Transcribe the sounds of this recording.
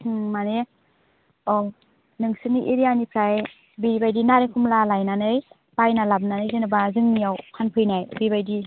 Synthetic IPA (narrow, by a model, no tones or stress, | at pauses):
hɯŋmane | ɔw | nɯŋsɯniʔeɾijanipʰɾaj | biɾibajdinaɾekʰumlalajnanɯj | pajnalab̚nanɯjdɯnɯbazɯŋnijawkʰanpʰɯjnajbibajdi